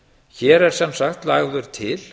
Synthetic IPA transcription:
çɛːɾɛɾ̥sɛmsaxt̪laːɣðʏɾ̥t̪ʰɪl

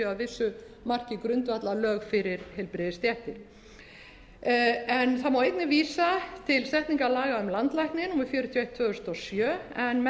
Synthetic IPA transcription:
ʏaðvɪsːʏ | mar̥cɪkɾʏnt̪vat̪lalœːɣfɪɾɪɾ̥hejlpɾɪðɪst̪jɛht̪ɪɾ | ɛnθamawejt̪nɪviːsat̪ʰɪlst̪ɛht̪niŋkalaːɣaʏmlant̪lajhknɪnumɪfjœːɾʏt̪ʰjɔejht̪ʰːvœːɣʏst̪ɔsjœː | ɛnmɛ

